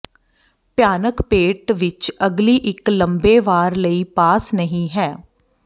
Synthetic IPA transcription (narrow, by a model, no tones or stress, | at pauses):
pjaːnəkpeːʈʋɪt͡ʃəɡliːʔɪkləmbeːʋaːɾləiːpaːsnəɦĩːɦɛː